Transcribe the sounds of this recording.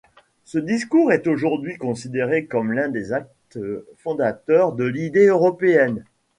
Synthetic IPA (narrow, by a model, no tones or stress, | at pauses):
səd̪iskuʁɛt̪oʒuʁd̪ɥikɔ̃sid̪eʁekɔmlɛ̃d̪ezak̚t̪fɔ̃d̪at̪œʁd̪əlid̪eøʁɔpeɛn